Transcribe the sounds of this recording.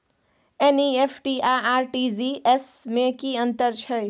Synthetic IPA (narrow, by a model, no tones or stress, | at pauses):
eniepʰʈiaaːɾʈiziʔesmẽkiə̃nt̪əɾt͡ʃʰə